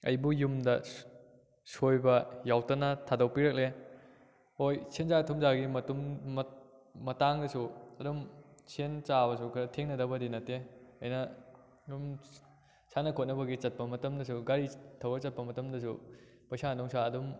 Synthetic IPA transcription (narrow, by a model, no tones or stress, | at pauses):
ɐ̰jbujumdɐ | sojbɐjawtɐnɐtʰadɐwpiɾɐk̚le | hojsʰenzatʰumzaɡimɐtum | mɐtaŋdɐsuɐdumsʰent͡ʃabɐsukʰɐɾɐtʰeŋnɐdɐbɐdinɐteɐjnɐ | jum | sʰanɐkʰot̚nɐbɐɡit͡ʃɐt̚pɐmɐtɐmdɐs̬uɡaɾitʰɐwbɐt͡ʃɐt̚pɐmɐtɐmdɐs̬ṵ | pɐjsadɔŋsaɐdum